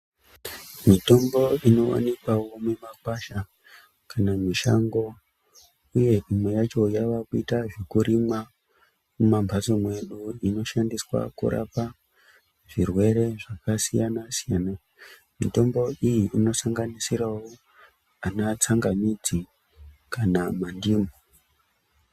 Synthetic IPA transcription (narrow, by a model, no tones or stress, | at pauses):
mito̞mbo̞ino̞wa̰nikwawo̞memakwaʃa | kanamiʃaŋɡo̞ | uje̞ʔimwejat͡ʃo̞jaʋakuitaʐekuɾima | mumambʱasomwe̞ɗuino̞ʃandiswa̰kṵɾa̰pa | ʐirwe̞ɾe̞ʐakasijanasijana | mḭto̞mbo̞ʔijiʔino̞saŋɡanisiɾawo | anat͡saŋɡanid͡zi | kanamandiːmo